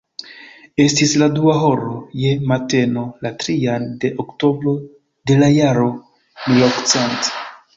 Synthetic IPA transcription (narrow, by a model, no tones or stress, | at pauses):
e̞stisladuaɦo̞ɾoje̞mate̞no̞latɾiande̞ʔokto̞bɾo̞ | de̞lajaɾo̞ | milokt͡sent